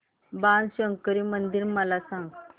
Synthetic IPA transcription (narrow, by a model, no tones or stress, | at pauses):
bãnɕəŋkəɾiːmənd̪iɾməlasãŋɡ